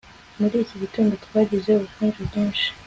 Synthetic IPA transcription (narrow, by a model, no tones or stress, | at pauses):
muɾiːciβituːndotɡwaːɟizeuβufuːnʒubɟiːnʃi̥